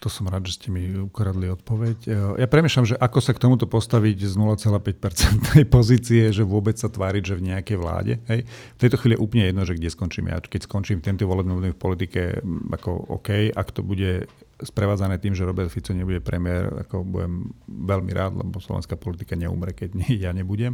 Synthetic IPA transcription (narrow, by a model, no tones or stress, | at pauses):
t̪ɔsɔmɾaːd̪ʒɛscɛmiukɾad̪liɔt̪̚pɔʋɛcjapɾɛmiːʃlamʒɛʔakɔsakt̪ɔmut̪ɔpɔst̪aʋiɟznulat͡sɛlaːpɛc̚pɛɾt͡sɛnt̪nɛjpɔziːt͡siɛʒɛʋʊɔbɛt͡ssat̪ʋaːɾiɟʒɛvɲɛakɛjʋla̰ːɟɛ̰ɦɛjft̪ɛjt̪ɔxʋiːlijɛʔuːplɲɛjɛd̪nɔʒɛɡɟɛskɔnt͡ʃiːmja̰kɛcskɔnt͡ʃiːmt̪ɛnt̪ɔʋɔlɛbnimɔd̪ifpɔlit̪ikɛʔa̰kɔ̰ɔ̰kɛja̰kt̪ɔbuɟɛ | spɾɛʋaːd͡zanɛːt̪iːmʒɛɾɔbɛɾt̪fit͡sɔɲɛbuɟɛpɾɛmɪɛɾa̰kɔbṵjɛ̰mʋɛlmḭɾʔa̰ːd̪lɛ̰bɔslɔ̰ʋɛ̰nskaːpɔlit̪i̥kaɲɛṵmɾɛkɛɟɛjaɲɛbuɟɛm